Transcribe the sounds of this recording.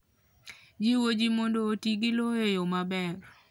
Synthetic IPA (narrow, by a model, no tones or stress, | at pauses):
d͡ʒiwod͡ʒimondoːtiɡɪloejomabɛr